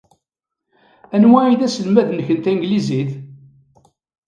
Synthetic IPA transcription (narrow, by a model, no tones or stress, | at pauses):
ænwæiðæsəlmæðnəçənt̪æŋɡliziθ